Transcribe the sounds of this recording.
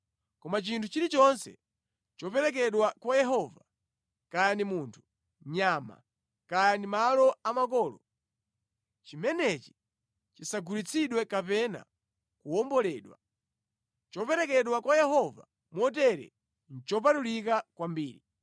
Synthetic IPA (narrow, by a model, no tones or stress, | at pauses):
kɔmat͡ʃintʰut͡ʃiɾit͡ʃɔnsɛ̰ | t͡ʃɔpɛɾɛk̬ɛɗwakwajɛɦɔva | kajanimuntʰu̥ | ɲama̰ | kajanimalɔamakɔːlɔ̰ | t͡ʃimɛnɛt͡ʃi̥ | t͡ʃisaɡulit͡sʰiɗwɛkapɛna̰ | kuɔmbɔlɛːɗwa | t͡ʃɔpɛɾɛkɛɗwakwajɛɦɔva̰ | mɔt̬ɛɾɛ̰ | n̩t͡ʃɔp̬atulikakwambiːɾi